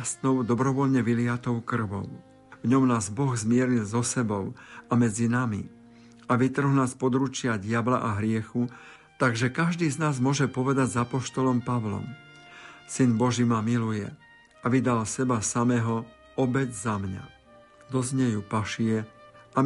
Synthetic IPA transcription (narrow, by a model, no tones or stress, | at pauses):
st̪nɔʊd̪ɔbɾɔʋɔʎɲɛʋilɪat̪ɔʊkr̩ʋɔ̰ʊ | vɲɔmnaːzbɔɣzmɪɛɾilzɔsɛbɔʊamɛd͡zinamḭ | aʋit̪r̩ɦlnaːspɔd̪ɾut͡ʃɪaɟɪabla̰ʔaɦɾɪɛxu | t̪aɡʒɛkaʒd̪iːznaːzmʊɔʒɛpɔʋɛd̪aɟzapɔʃt̪ɔlɔmpaʋlɔ̰m | sinbɔʒimamilujɛ̰ | ʔaʋid̪alsɛbasamɛɦɔ | ɔbɛɟzamɲa̰ | d̪ɔzɲɛjupaʃɪɛʔa